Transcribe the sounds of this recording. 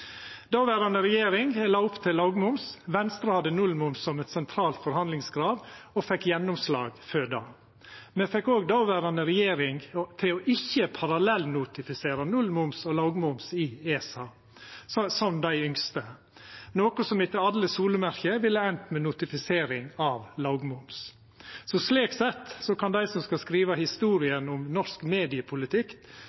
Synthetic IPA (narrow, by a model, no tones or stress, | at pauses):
d̪̥ɑːʋæːɾɑnəɾɛjeːɾɪŋlɑːʊpt̪ʰɪlːɑːɡmʊmsʋɛnst̪ɾɑhɑd̪ːənʉlmʊmssɔmɛt̪sɛnt̪ʰɾɑːlt̪fɔɾhɑnd̪lɪŋsɡɾɑːd̪ɔfɛkːjɛnʊmslɑ̰ːɡføːɖɑ̰ː | meːfɛkːoːɡd̪ɑːʋæːɾɑnəɾɛjeːɾɪŋt̪ʰɪlɔʔɪçːəpʰɑɾɑlɛlnʊt̪ɪfɪseːɾɑnʉlmʊmsɔlɑːɡmʊmsɪeːsɑ | sɔmd̪æɪʏŋst̪ə | noːkɔsɔmɪt̪ːəɑd̪ləsuːləmæɾkəʋɪlːəɛnt̪mɛnʊt̪ɪfɪseːɾɪŋɑːʋlɑɡmʊms | sɔsliːksɛt̪ːsɔkɑnd̪æɪsɔmskɑlskɾiːʋɑhɪst̪uːɾɪənʊmnɔʂkmeːd̪ɪəpʰʊlɪt̪ʰɪk